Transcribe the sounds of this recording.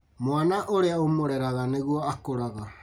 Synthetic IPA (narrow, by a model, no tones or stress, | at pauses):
moanaʔoɾeaumoɾeɾaɣaneɣuaːkoɾaɣa